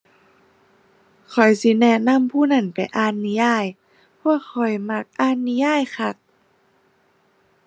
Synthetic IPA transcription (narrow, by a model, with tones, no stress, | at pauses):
kʰɔ˨˩jsi˧˦nɛ˧˩na˧˥˨mpʰuː˧˩˨na˧˥˩npa˨˩jʔaː˧˩nːi˧˦jaː˧˥˩j | pʰu˧˥˨əkʰːɔ˨˩jma˧˥k̚ʔaː˧˥˨nːi˧˦jaː˧˥˨jxʰa˧˩k̚